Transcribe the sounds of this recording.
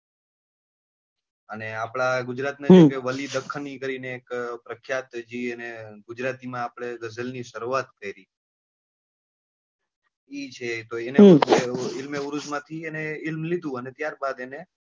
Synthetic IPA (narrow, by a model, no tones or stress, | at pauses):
əneapɭaɡʊd͡ʒɾat̪nad͡ʒekeʋəlid̪əkʰːənikəɾineːkpɾəkʰjat̪d͡ʒieneɡʊd͡ʒɾat̪imãːpɽ̃eɡəzəlniʃəɾuat̪kəiɾi | it͡ʃʰet̪oeneeɪlmeuɾud͡ʒmãt̪ʰieneɪlmlid̪ũənet̪jaɾbad̪ene